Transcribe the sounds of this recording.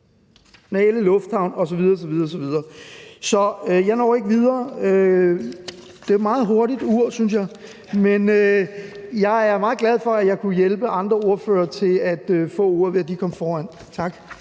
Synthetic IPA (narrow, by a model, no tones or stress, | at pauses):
nɛæləlɔfd̥hɑ̈ʊ̰nɒ̽sɒʋið̞ˠɐːs̬ɒʋiðˠɐːs̬ɒ̽ʋið̞ˠɐːsɒ̽jɑ̈ɪnɒ̰ʊe̝ɡ̥ʋið̞ˠɐːø | d̥e̝mɑ̈ːð̩ˠɦo̝ɐɾid̥uɐ̰synsjɑ̈ɪ | menø | jɑ̈ɪæɐmɑ̈ːðˠɡ̥læð̞ˠfɒ̽æjɑ̈ɪkʰujelb̥əʔɑ̈nd̥ʁɐo̝ɐfø̰ːɐt͡sʰe̝læd̥øfɔ̰̽ːuɐ̰ʋe̝æd̥ikʰɒ̽mfɒːæn̰ | t͡sʰɑ̈ɡ̥